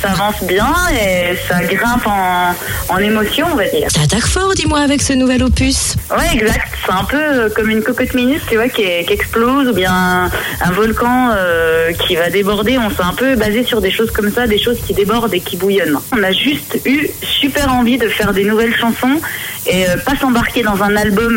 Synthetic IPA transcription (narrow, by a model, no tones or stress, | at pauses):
saːvɑ̃sbjɛ̃esaɡʁɛ̃pɑ̃ː | nemɔsjɔ̃ɔ̃vad̪ḭːʁt̪at̪akfɔʁd̪imwaːvɛksənuvɛlopyswɛɛɡzakt̪sɛɛ̃pøøkɔmynkɔkɔt̪minyt̪t̪yvwakʲiɛkʲɛksplozubjɛ̃ɛ | ɛ̃vɔlkɑ̃økʲʰivad̪ebɔʁd̪eɔ̃sɛɛ̃pøbazesyʁd̪eʃozkɔmsad̪eʃozkʲid̪ebɔʁd̪ekʲibujɔnɔ̃naʒyst̪ysypɛʁɑ̃vid̪əfɛʁd̪enuvɛlʃɑ̃sɔ̃eøpasɑ̃baʁkʲed̪ɑ̃zɛ̃nalbɔm